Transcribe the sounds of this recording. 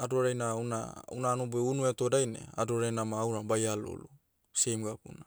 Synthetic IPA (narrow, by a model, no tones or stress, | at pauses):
adoɾajnauna̰ṵnanubeunuetodajnḛa̰doɾajnamaːwɾabajalo̰lu | sejmɡapṵna